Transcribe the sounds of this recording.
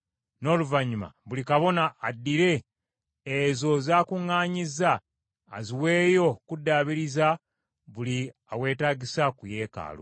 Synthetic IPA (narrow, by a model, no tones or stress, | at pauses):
no̞ːluvaɲːuma̰βulikaβo̞naːdːiɾe̞ː | zo̞zaːkuŋːaːɲizaː | ziwe̞ːjo̞kudːaːβiɾiza | βuli | awe̞ːtaːɟisakuje̞ːka̰ːlo̰